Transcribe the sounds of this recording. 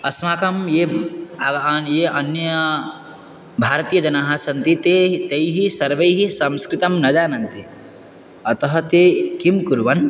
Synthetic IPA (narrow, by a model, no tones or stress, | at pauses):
ɐsmaːkɐmje | jeɐnjɐ | bʱaːɾt̪ijɐd͡ʒɐnaːɦasɐnt̪it̪et̪ejɦisɐɾʋejɦisɐ̃mskɾit̪ɐmnɐd͡ʒaːnɐnt̪i | ɐt̪ɐɦɐ̆t̪ekimkuɾʋɐn